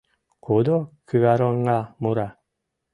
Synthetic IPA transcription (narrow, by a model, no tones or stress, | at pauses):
kod̪okɯɡaɾɔnɡamoɾa